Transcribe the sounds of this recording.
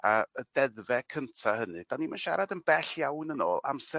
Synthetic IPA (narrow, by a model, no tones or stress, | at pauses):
aədɛðvɛkʰəntʰahənɨd̥animanʃa̰ɾadənbɛɬjawnəno̰ːlˠa̰msɛ